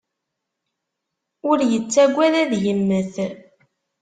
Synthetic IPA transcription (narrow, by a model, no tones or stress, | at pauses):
ʊɾjət͡sːæɡʷːænæðjəmːəθ